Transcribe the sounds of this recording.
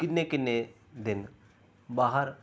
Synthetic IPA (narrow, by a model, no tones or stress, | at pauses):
kɪnːekɪnːe | d̪ɪn | baːɦəɾ